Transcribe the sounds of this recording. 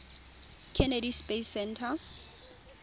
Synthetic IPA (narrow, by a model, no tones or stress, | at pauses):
kʰɛnedispesɛntʰa